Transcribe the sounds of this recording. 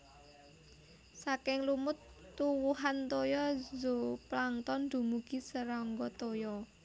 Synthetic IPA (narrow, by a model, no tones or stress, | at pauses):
sakɪŋlumʊt̪ːuwuɦant̪ojɔzoplaŋt̪ɔnd̪̥ṳmuɡ̥isəɾaŋɡɔt̪ojɔ